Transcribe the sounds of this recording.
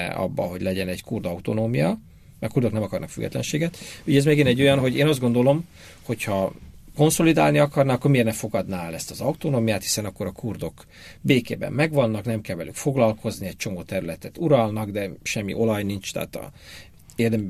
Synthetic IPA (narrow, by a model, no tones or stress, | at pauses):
ɒ̰bːɒ̰ɦo̞̰ɟlɛɟɛnɛɟkurd̪ɒut̪o̞noːmijɒ | mɛɒkuːrd̪oknɛmɒkɒrnɒkfy̰ɡːɛ̰t̪lɛ̰nʃeːɡɛt̪yɟɛɛzmeɡinɛɟːo̞jɒnɦo̞ɟeːnɒzd̪ɡo̞nd̪o̞lo̞m | ho̞chɒko̞nso̞lid̪a̰ːlniɒkɒrnaːkːormeːrnɛfo̞ɡɒd̪naːlɛst̪ɒzɒut̪onoːmijaːt̪hi̥sɛnɒkːo̞ɾɒkurd̪o̞k | beːkeːbɛ̰mːɛɡʋɒnːɒknɛmkɛlvɛlykfo̞ɡlɒlko̞zniɛc̚t͡ʃo̞moːt̪ɛɾylɛt̪ɛt̪uɾɒlnɒɡd̪ɛʃɛmːḭʔo̞lɒjnint͡ʃt̪a̰ːt̪ɒ̰ | eːrd̪ɛm